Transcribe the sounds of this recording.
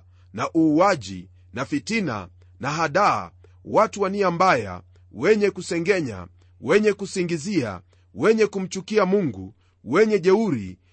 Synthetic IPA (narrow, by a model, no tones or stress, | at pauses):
naʔuːaʄḭ | nafitina̰ | naɦaɗa̰ː | watuwaniambaja̰ | wɛɲɛkusɛŋɡɛɲa̰ | wɛɲɛkusiŋɡizia̰ | wɛɲɛkum̩t͡ʃukiamuŋɡṵ | wɛɲɛʄɛuɾḭ